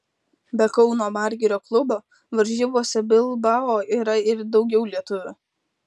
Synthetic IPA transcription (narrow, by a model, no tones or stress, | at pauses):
bʲɛkɒʊnoːmɑɾʲɡʲɪɾʲoːklˠʊboː | ʋɐɾʲʒʲiːʋuɔsʲɛbʲɪlˠbɑoːiːɾɐɪɾd̪ɒʊɡʲɛʊlʲiɛt̪ʊʋʲʊ